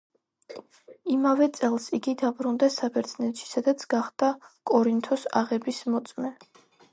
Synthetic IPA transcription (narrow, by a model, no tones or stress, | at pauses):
imavɛt̪sʼɛlˠsiɡid̪abɾund̪ɛsabʰɛɾt̪sʰnɛt̪ʃi̥sad̪at̪sʰɡ̥aχd̪̥akʼɔɾint̪ʰɔsa̰ʁɛbismɔt̪sʼmɛ